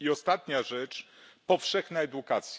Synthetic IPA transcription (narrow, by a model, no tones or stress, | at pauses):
iɔst̪at̪ɲaʐɛt͡ʂ | pɔfʂɛxnaɛd̪ukat̪sʲj